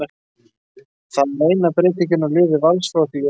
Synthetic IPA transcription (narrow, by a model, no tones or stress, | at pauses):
θaðmeːjnapɾeːt̪ɪcɪnalɪːvɪvalsfɾawt̪i